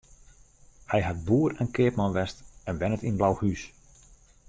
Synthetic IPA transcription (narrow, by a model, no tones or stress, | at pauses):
hɛjɦat̚buːəɾɛnkɪəpmanʋɛstɛnʋɛnətinblawhys